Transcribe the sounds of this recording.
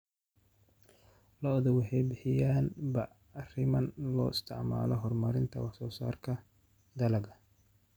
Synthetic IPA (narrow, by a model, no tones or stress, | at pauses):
lɐɔðɔwɑħɑjbɪħɪjaːnbɐː | rɪmɐnlɔ̰ːɪst̪ʰɪʕma̰ːlɔɦɔrmɐɾɪnt̪ʰɐwɑħsɔːsa̰ːrkʰɐ | d̪ɐlɐɣɐ